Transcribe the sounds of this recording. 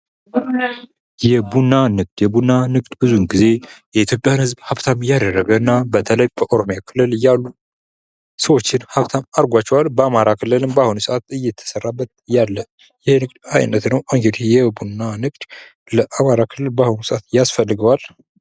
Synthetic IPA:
jɛbunːanɨɡ̚d̪jɛbunːanɨɡʼd̪bɨzunɡize̞jɛit̪jo̞pʼjanhɨzbhaβt̪ʰamjad̪ərːəɡənːabət̪ʰələjbəʔoɾo̞mjakʰɨlɨljalːu | səwo̞t͡ʃːɪnhaβt̪ʰamaɾɡʷat͡ʃːɛwalbəamaɾakʰɨlːɨlɨmbəahunusəʔat̪ɨjːɛt̪ʰːə̥sərːabːət̪̚jalːə | jɪhnɨkd̪ajnːət̪nəwoŋɡed̪ijɛbunːanɨkʼd̪̥ | ləʔamaɾakʰɨlːɨlbahunusəʔat̪jasfəlːɨɡəwal

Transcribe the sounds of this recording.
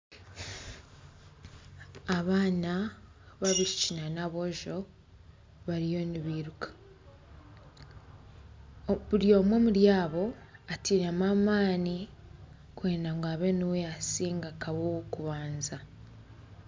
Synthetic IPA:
aβaːna | βaβiʃicinanaβo̞ʒo̞ | βaɾijo̞niβiːɾukḁ | βuɾjo̞ːmwe̞muɾjaːβo̞ | atiːɾamamaːni | kwe̞ːnaŋɡaβe̞niwejasiːŋɡakaβowkuβaːnza

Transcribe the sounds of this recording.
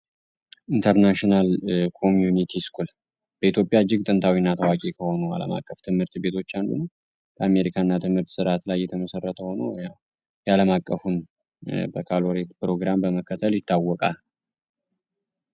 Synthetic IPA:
ʔint̪ʰəɾnaʃinalkʰo̞mjunit̪ʰiskʰul | b̥əit̪jo̞pʼjaɨd͡ʒːɪɡ̚t̪ʼɨnt̪ʰawinːat̪ʰəwakʼikʰəho̞nua̰lə̰ma̰kʼːəft̪ʰɨmhɨɾt̪be̞t̪ʰo̞t͡ʃːand̪ṵn | bəame̞ɾikʰanːat̪ʰɨmhɨɾt̪sɨɾat̪lajːɛt̪ʰəməsərːət̪ʰəho̞nəja | jaləmakʼːəfun | bəkʰalo̞ɾet̪pɾo̞ɡɾambəməkːət̪ʰəljɪt̪ʰːawːɔkʼal

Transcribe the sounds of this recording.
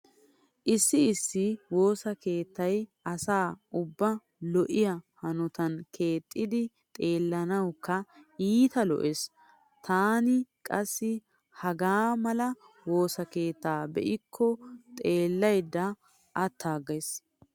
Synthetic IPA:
ʔɪsːɪɪsːɪwo̞ːsɐke̞ːt̪ːɐjɐsaːʔʊbːɐ | lɔʔɪjɐhɐnɔt̪ɐnkʰe̞ːt̪ʼːɪd̪ɪ | t̪ʼe̞ːlːɐnɐwkːɐiːt̪ɐlɔ̰ʔes | t̪ʰaːnɪkʼɐsːɪ | hɐɡaːmɐlɐ | wo̞ːsɐke̞ːt̪ːaːbɛ̰ʔɪkʰːɔt̪ʼe̞ːlːɐjd̪ːɐ | ʔːt̪ːaːɡɐjs

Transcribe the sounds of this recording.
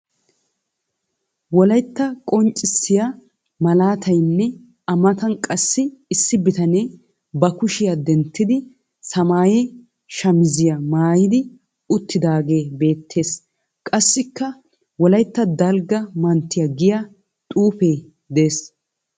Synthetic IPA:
wɔlɐjt̪ːɐkʼɔnt͡ʃʼːɪsːɪja | mɐlaːt̪ʰɐjnːɛ | ɐmɐt̪ɐnkʼɐsːɪːsːɪbɪt̪ɐneː | bɐkʊʃɪjad̪ɛnt̪ːɪd̪ɪ | sɐmaːje | ʃɐmɪzɪjɐmaːjɪd̪ɪ | ʊt̪ːɪd̪aːɡe̞ːbe̞ːt̪ʰːe̞ːs | kʼɐsːɪkːɐ | wɔlɐjt̪ːɐd̪ɐlɡɐmɐnt̪ːɪjɐɡɪjɐ | t̪ʼuːfe̞ː | d̪eːs

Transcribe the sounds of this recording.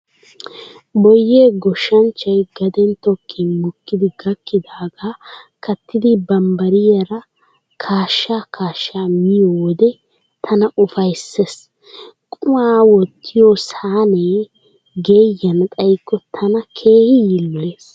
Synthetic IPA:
bɔjːeːɡɔʃːɐnt͡ʃːɐjɡɐd̪ɛnt̪ɔkʰːɪnmɔkːɪd̪ɪɡɐkːɪd̪aːɡaːkʰɐt̪ːɪd̪ɪbɐmbɐɾɪjɐɾɐ | kʰaːʃːaːkʰaːʃːaːmɪjowɔd̪ɛ | t̪ʰɐnɐʔʊfɐjsːes | kʼʊaːwɔt̪ːɪjosaːne | ɡeːjːɐnt̪ʼɐjkʼːɔt̪ʰɐnɐkʰe̞ːhɪjɪlːɔeːs

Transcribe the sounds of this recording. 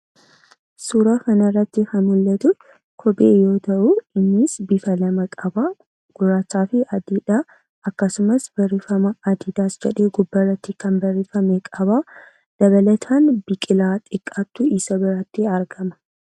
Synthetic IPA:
suːɾaːkɐnɐrːɐt̪ːɪhɐnʊlːɐt̪ʊ | kʰɔbʼḛːjo̞ːt̪ɐʔuɪnːɪsbɪfɐlɐmɐkʼɐbaː | ɡ̥ʊɾaːt͡ʃːaːfɪʔɐd̪iᶑ̪aː | ɐkːɐsʊmɐsb̥ɐrːɪfɐmɐɐd̪ɪd̪aːsd͡ʒɛᶑeːɡʊbːɐrːɐt̪ːɪkɐnbɐrːɪfɐmekʼɐbaː | d̪̥ɐβɐlɐt̪ʰaːnbɪkʼɪlaːt̪ʼɪkʼːat̪ːuɪsɐbɪɾat̪ːiɐɾɡɐmɐ̥

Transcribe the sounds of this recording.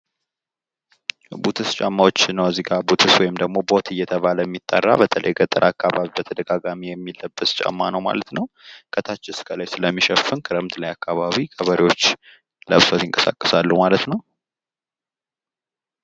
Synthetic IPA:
but̪ʰɨst͡ʃʼamːawot͡ʃːnːəwəzːiɡabut̪ʰɨswɔjɪmd̪əɡmo̞bo̞t̪ʰɨjːɛt̪ʰəβaləjɛmːit̪ʼːə̰rːa̰bət̪ʰələ̰jɡət̪ʼɨɾʔakːaβaβibət̪ʰəd̪əɡaɡamijɛmːilːəbːəst͡ʃʼa̰mːanəwma̰lət̪nəw | kʰət̪ʰat͡ʃːɪskʰəlajsɨləmːiʃəfɨnkʰɨɾəmt̪lajakʰːaβaβikʰʼəβəɾiwo̞t͡ʃː | lə̰βsət̪ɪŋkʼəsa̰kʼːəsalːuhmalət̪nəw

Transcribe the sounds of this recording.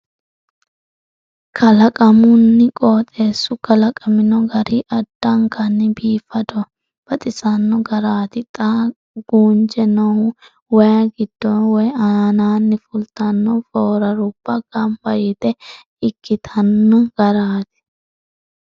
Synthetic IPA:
kʰɐlɐkʼɐmʊnːɪkʼoːt̪ʼe̞ːsːʊkɐlɐkʼɐmɪnɔɡɐɾiʔɐd̪̥ːɐŋkɐnːɪbiːfɐd̪ɔ | b̥ɐt̪ʼɪsɐnːɔɡɐɾaːt̪ɪt̪ʼa | ɡ̥uːnt͡ʃɛnɔhʊ | wɔjɐɡɪd̪̥ːɔnwɔjaanaːnːɪfʊlt̪ɐnːɔfoːɾɐɾʊb̥ːɐɡ̥ɐmbɐjɪt̪ɛ | ɪkʰːɪt̪ʰɐnːɔɡ̥ɐɾaːt̪ɪ̥

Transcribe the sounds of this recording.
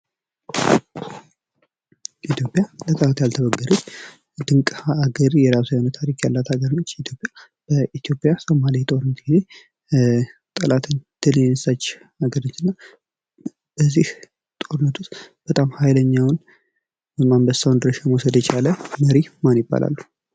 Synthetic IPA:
it̪ʰjopʼjalət̪ʼəlat̪jalt̪ʰəβəɡːəɾət͡ʃː | d̪ɨŋkʼaaɡəɾjɛɾasujanət̪ʰːaɾikjalːat̪aɡəɾnət͡ʃːit̪ʰjo̞pʼja | b̥əʔit̪ʰijo̞pʼjasomalit̪ʼo̞ɾnət̪ɡize̞ | t̪ʼəlat̪ʰɨɲd̪̥ɨljɛnɨsat͡ʃː | aɡəɾnət͡ʃːɨnːa | b̥əzːih | t̪ʼoɾɨnət̪ʰust̪b̥ət̪ʼamhajləɲːawn | bəmambəsawnd̪ɾəʃamɔsəd̪jɛt͡ʃaləməɾimanjɪbːa̰lʔa̰lːu̥

